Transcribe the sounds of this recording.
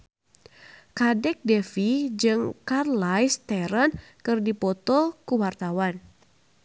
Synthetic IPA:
kadɛk̚dɛfid͡ʒɨŋkarlajst̪ɛɾənkɨrdipɔt̪ɔkuwart̪awan

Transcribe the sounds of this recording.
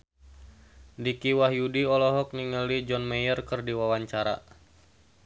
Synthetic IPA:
dikiwahjudiɔlɔɦɔk̚niŋəlid͡ʒɔnmejərkərdiwawaɲt͡ʃaɾa̰

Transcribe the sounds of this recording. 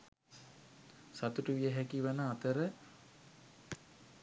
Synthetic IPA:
sat̪uʈəʋijəɦækiʋanəat̪əɾə

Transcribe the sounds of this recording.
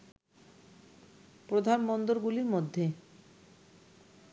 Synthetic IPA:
pɾod̪ʱanbɔnd̪oɾɡuliɾmod̪ʱːe

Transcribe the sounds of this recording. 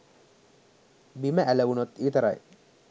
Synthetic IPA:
biməʔæləʋunot̪iːt̪əɾa̰j

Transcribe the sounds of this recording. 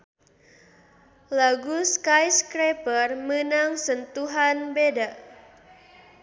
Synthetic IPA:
laɡuskajskɾepərmənaŋsənt̪uɦanbeda

